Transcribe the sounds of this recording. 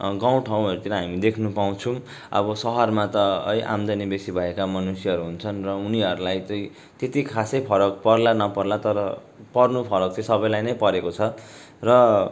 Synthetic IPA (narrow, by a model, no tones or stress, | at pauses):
ɡaw̃ʈʰaw̃ʌɾut̪iɾʌɦamid̪ekʰnupaw̃t͡sʰũ | ʌ̰bʌsʌɦʌrmat̪ʌʌ̰jʔa̰md̪ʌnibesibʱʌekamʌnusjʌɦʌɾuɦunt͡sʰʌnrʌuniɦʌɾulajt͡sʌĩ | t̪et̪ikʰasʌjpʰʌɾʌk̚pʌrlanʌpʌrlat̪ʌɾʌ | pʌrnupʰʌɾʌk̚t͡sʌ̃ĩsʌbʌjlajnʌjpʌɾekot͡sʰʌ | rʌ